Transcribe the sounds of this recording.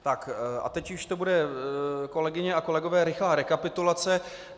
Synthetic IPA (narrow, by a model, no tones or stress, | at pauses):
t̪akʔa̰t̪ɛcjʊʃt̪o̞budɛ | ko̞lɛɡɪɲɛako̞lɛɡo̞vɛːɾɪxlaːɾɛkapɪt̪ulat͡sɛ